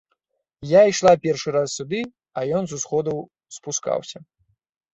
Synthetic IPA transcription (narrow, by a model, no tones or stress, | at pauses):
jaijʂlˠapʲɛrʂɨɾasːʲud̪ɨ | ɐjɔnzusxɔd̪ɐw | spuska̰wsʲɐ